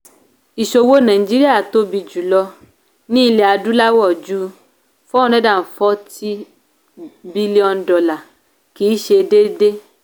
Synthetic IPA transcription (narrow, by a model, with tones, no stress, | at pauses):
i˨ʃo˦wo˦nã˨i˨d͡ʒi˦ɾi˦a˦˨t̪o˦bi˨d͡ʒu˨lɔ˦ | nĩ˦le˨a˨du˦la˦wɔ˦˨d͡ʒu˦ | fɔ˦nẽ˦da˦˨fɔ˦t̪i˦ | bi˦li˦ɔ˦nɖɔ˨la˨ | ki˨˦i˦ʃe˧de˦ɖe˦